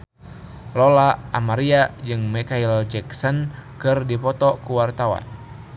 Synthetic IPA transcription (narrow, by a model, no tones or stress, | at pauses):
lɔlaʔamaɾiad͡ʒɨŋmɛkaild͡ʒɛksɔnkɨrdipɔt̪ɔkuwart̪awa̰n